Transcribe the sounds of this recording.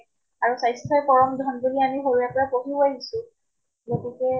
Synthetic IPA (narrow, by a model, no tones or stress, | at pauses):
aɹusajstʰɔjpɔɹɔmdʱɔndolianiɦoɹuɛpɔɹapoɦiajɡisu | zotikɛ